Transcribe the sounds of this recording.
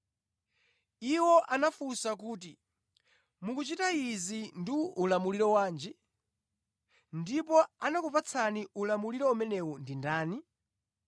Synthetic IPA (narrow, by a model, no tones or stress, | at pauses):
iwɔʔanafusakuːti | mukut͡ʃitaizindiːlamuliɾɔwaːnd͡ʒɛ | ndipɔanakupat͡sʰaniulamuliɾɔumɛnɛwɔndindaːni